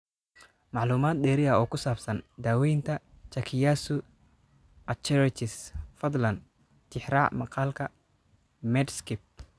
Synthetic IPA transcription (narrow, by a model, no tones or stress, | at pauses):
mɑʕluːmaːd̪̚dɛːɾɪɐɔːkʰʊsaːbsɐnd̪aːwɛjnt̪ʰɐ | t͡ʃɐkʰɪjaːsʊ | ɐt͡ʃɛɾɪt͡ʃɪsfɐd̪lɐn | t͡ʃɪħɾaːʕmɑqɑːlkʰɐ | mɛd̪skɪp̚